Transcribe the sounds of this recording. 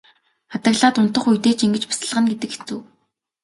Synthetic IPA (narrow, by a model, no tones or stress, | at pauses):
at̪ə̆ɣɮaːt̪ʊn̥t̪ə̆χujt̪eːt͡ɕiŋɡɘ̆t͡ɕpḁsə̆ɮʁə̆nɡet̪ɘ̆kxe̥t͡sŭː